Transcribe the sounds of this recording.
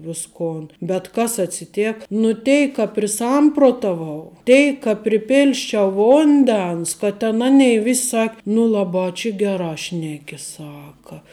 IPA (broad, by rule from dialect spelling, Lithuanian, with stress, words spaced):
ˈʋʲɪskoːn bʲɛt ˈkɐs ɐtʲsʲɪˈtʲeːk nʊ ˈtʲɛɪk kɐ pʲrʲɪˈsɐmproːtɐʋɐʊ ˈtʲɛɪk kɐ pʲrʲɪˈpʲɪlʲsʲt͡ʃʲɛʊ ˈʋʊnʲdʲɛns kɐ ˈtʲɛn ˈɑːnʲɛɪ ˈʋʲɪsʲ ˈsɐkʲ nʊ ˈlˠɑːˌbɑː t͡ʃʲɪ ˈɡʲæːrɑː ˈʃʲnʲæːkʲɪ ˈsɑːkɐ